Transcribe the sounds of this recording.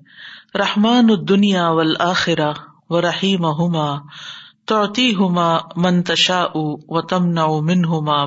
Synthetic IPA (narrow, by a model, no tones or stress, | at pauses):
ɾɐħmaːnʊd̪ːʊnjaːwɐlʔaːxɪɾa | wɐɾˤɐħiːmaɦʊmaːt̪ʊʕt̪iːɦʊmaːmɐnt̪ɐʃaːʔuwɐt̪ɐmnaʕumɪnɦʊmaː